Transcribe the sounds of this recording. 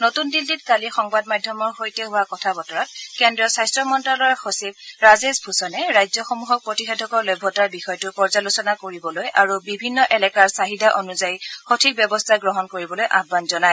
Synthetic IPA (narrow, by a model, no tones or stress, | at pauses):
notundilditkalixɔŋbadmadʱjɔmɔɹxojtɛɦʊakɔtʰabɔtɔɹɔtkɛndɹɔsajstɹɔmɔntɹalɔɹxosibɹazezbʱusɔnɛɹajzjɔxɔmuɦɔk̚pɹotixetʰɔkɔɹlɔjbʱːɔtaɹbixɔjɔtʊpɔɹzalosɔnakoɹibɔlojʔaɹubibʱinːɔʔɛlɛkaɹsaɦidaʔonuzajxotʰik̚bjɛbɔstʰaɡɹɔɦɔnkoɹibɔlojʔabbanzɔnaj